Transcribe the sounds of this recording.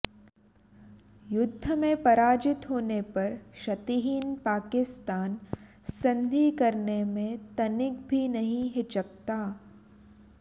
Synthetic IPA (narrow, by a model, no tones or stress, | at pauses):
jʊd̪ʱːəmẽpɐɾaːd͡ʒɪt̪ɦoːnepɐɾʃɐt̪iɦiːnpaːkɪst̪aːn | sɐ̃nd̪ʱikɐɾnemẽt̪ɐnɪk̚bʱinɐɦĩɦɪt͡ʃɐk̚t̪aː